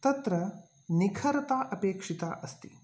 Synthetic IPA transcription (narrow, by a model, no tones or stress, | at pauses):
t̪ɐt̪ɾɐ | nikʰɐɾɐt̪aːʔɐpeːkʂit̪aːʔɐst̪i